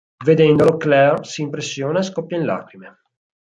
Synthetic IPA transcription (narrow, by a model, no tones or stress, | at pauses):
ved̪ɛnd̪oloklɛrsiːmpɾesːjoːneskɔpːjaĩnla̰ːkɾime